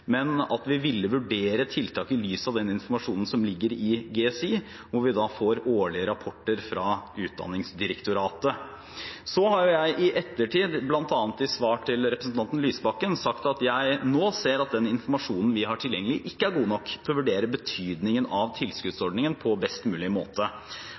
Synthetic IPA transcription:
mɛnɑ̰t̪ʋɪʋɪlːəʋʉɖeːɾət̪ʰɪlt̪ʰɑːkɪlyːsɑʋd̪ɛnɪnfɔɾmɑʂuːnən̩sɔmlɪɡːəɾɪɡeːɛsiː | ʋʊɾʋɪd̪ɑfoːɾoːɭɪəɾɑpʰɔʈːəɾfɾɑʉːt̪̚d̪ɑ̰nːɪŋsd̪ɪɾəkt̪ʊɾɑːt̪ə | sɔhɑɾjʊjæɪʔɪʔɛt̪ːəʈʰiːd̪blɑnt̪ɑːnət̪ɪsʋɑːʈʰɪlɾɛpɾəsn̩ɑnt̪ən̩lyːsəbɑkːənsɑkt̪ɑt̪jæɪnoːseːɾɑt̪̚d̪ɛnɪnfɔɾmɑʂuːnn̩ʋɪɦɑʈʰɪljɛŋːəlɪʔɪkːəæɾɡuːnɔkːt̪ʰɛɔʋʉɖeːɾəbət̪ʰyːd̪nɪŋənɑʋt̪ʰɪlskʉd̪sɔɖnɪŋənpʰɔbɛst̪mʉːlɪəmo̰ːt̪ə

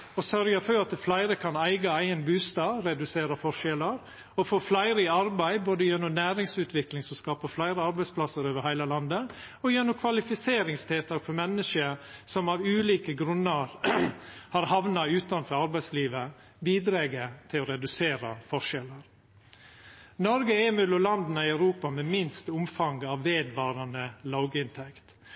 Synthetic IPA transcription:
ɔsœɾɡəfɔɾɑt̪əflæɪɾəkʰɑnæɪɡɑæɪənbʉːst̪ɑːɾɛd̪ʉseːɾəfɔʂɛləɾ | ɔfoːflæɪɾəɪɑɾbæɪboːd̪əjɛnːɔmnæːɾɪŋsʉːt̪ʰʋɪklɪŋsɔmskɑːpəflæɪɾəɑɾbæɪspʰlɑsəɾoːʋəɾhæɪləlɑnd̪ə | ɔjɛnːʊmkʰʋɑlɪfɪseːɾɪŋst̪ʰeːt̪ɑɾfɔɾmɛnːəʂəsɔmɑʋʉːliːkəɡɾʉnːəɾ | hɑɾhɑʋnɑʉːt̪ɑnfɔɾɑɾbæɪsliːʋə | biːd̪ɾeːɡət̪ʰɪlɔɾɛd̪ʉseːɾɑfɔʂɛləɾ | nɔɾɡəɛːmʉlʊlɑnd̪nəɪɑʉɾuːpɑmɛmɪnst̪ʊmfɑŋɡɑʋʋeːd̪ʋɑːɾɑnəlɑʊɡəɪnt̪ʰɛkt̪

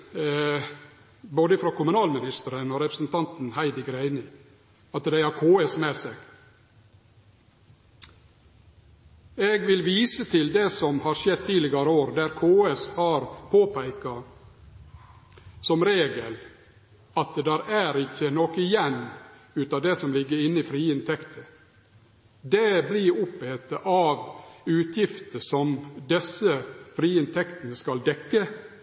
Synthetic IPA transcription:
boːd̪əfɾoːkʰʊmʉnɑːlmɪnɪst̪əɾənoːɾɛpɾəsn̩t̪ʰɑnt̪n̩hæɪd̪əɡɾæɪnɪ | ɑt̪d̪æɪhɑɾkʰoːɛsmeːseːɡ̥ | eːɡʋɪlʋiːsət̪ʰɪld̪ɛsɔmhɑːɾʂɛd̪̚t̪ʰiːlɪɡɑɾəoːɾd̪æɾkʰoːɛshɑːɾpʰoːpʰæɪkɑ | sɔmɾeːɡəl | ɑt̪̚d̪æɾæɾɪçːənokɪjɛnʉːt̪ɑd̪ɛsɔmlɪɡːəɾɪnːəɪfɾiːɪnt̪ʰɛkt̪ʰə | d̪eblɪɾʊpːheːt̪əʔɑːʋʉːt̪ʰjɪft̪əsɔmd̪ɛsəfɾiːɪnt̪ʰɛkt̪ənəskɑld̪ɛkːə

